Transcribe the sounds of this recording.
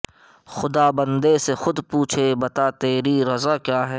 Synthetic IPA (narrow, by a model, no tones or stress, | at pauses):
xʊd̪aːbɐ̃nd̪esexʊd̪puːt͡ʃʰebɐt̪at̪eːɾiɾɐzakjaːɦɛː